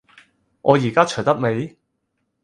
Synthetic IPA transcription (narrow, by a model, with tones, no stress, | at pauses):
ŋʔɔː˨˧jiː˨˩kaː˥t͡ʃʰɵ˨˩jt̪ɐ˥k̚me˨˧j